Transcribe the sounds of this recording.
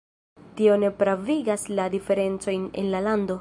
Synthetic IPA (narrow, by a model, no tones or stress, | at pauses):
tio̞ne̞pɾaviɡasladife̞ɾe̞nt͡so̞jne̞̰nlalando̞